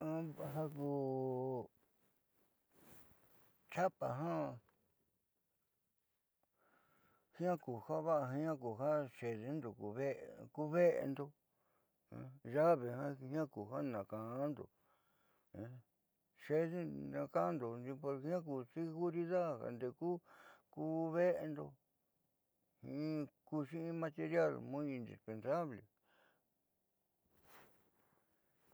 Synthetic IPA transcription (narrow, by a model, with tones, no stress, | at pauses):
ã˦a˧ɦa˦ku˧ | t͡ʃa˦pa˨ɦã˦ | hĩ˦ã˦ku˨ha˦βa˦ʔɦɲã˦ku˨ɦa˦ʃe˨ðe˧˦nd̪o˨ku˧βe˦ʔku˧βe˦ʔḛ˧nd̪o˧ | ã̰˧ʒa˦βe˨hã˦˧hĩ˦ã˦ku˨ha˦nã˨kã˨˦nd̪o̰˨˧ | ʃe˦ðe˦nã˧kã˦nd̪o˨nd̪i˧po˧ɾhã˦k̬u˧˨si˦ɣu˦ɾi˧ða˦ha̰˨nd̪e˧kuː˦ku˧βe˦ʔe˧nd̪o˧ | hĩ˧˦ku˧ʃĩ˦ĩ˦˧mã˧t̪e˧ɾja˦˨lmũ˦ĩ˧nd̪ḭ˨spe˧nsa˦βle˨